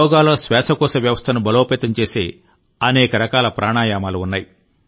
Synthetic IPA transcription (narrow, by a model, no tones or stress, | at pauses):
ɔːɡaːloːsʋɛːsɐkɔːsɐʋjɐʋɐst̪ʰɐnubɐloːpeːt̪ɐmt͡ʃe̞ːsḛː | ɐnɛːkɐɾɐkaːlɐpɾʔaːɳaːjaːmaːluunːaːji